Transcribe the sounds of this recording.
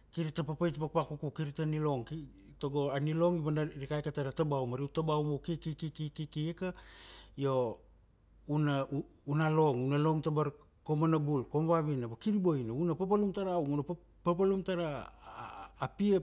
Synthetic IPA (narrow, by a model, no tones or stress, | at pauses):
kiɾitapapajtpak̚pakukukiɾitanilo̞ŋki | toɡo̞anilo̞ŋiβanaɾikajkataɾatabawmaɾiutabawmokikikikikikiekajo̞ | unaunalo̞ŋunalo̞ŋtabaɾkomanabulko̞mβaβinabakiɾibojnaunapap̬alumtaɾawŋuna | papalumtaɾaː | pia